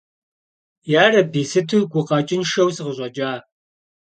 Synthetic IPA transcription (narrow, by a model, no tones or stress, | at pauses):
jaːrɐbiːsɨtʰuɡʷʊqɑt͡ʃʼɪnʃɐwsɨʁəɕʼɐd͡ʒʼaː